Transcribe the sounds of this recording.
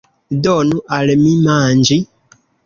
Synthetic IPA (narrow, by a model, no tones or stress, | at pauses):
dɔnuʔalɛmimaːɲd͡ʒi